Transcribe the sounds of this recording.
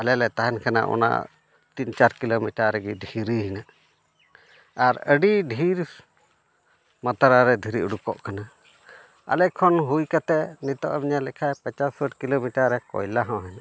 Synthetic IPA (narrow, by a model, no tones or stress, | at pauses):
alɛlɛt̪aɦɛnkʰana̰ʔɔ̰na̰ | t̪iɲt͡ʃaɾkilomiʈaɾɛɡidʱiɾiɦinaʔ | aɾəɖiɖʱiɾ | mat̪aɾaɾɛd̪ʱiɾiʔuɽukɔ̰ʔkana | a̰lɛkʰɔnɦujkat̪ɛnit̪ɔʔamiɲalɛkʰajpat͡ʃasəʈkilomiʈaɾɛkɔ̰jlaɦɔ̃ɦɛɲa